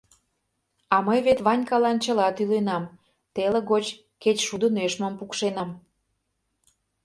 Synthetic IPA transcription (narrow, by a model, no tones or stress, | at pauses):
ɑməjβet̪βɑnʲkɑlɑnt͡ɕəlɑt̪ylenɑm | t̪eleɣot͡ɕ | ket͡ɕʃud̪əneʃməmpukʃenɑm